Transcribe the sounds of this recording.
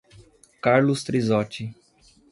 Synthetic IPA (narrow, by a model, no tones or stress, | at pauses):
kaɾlʊst̪ɾizɔt͡ʃɪ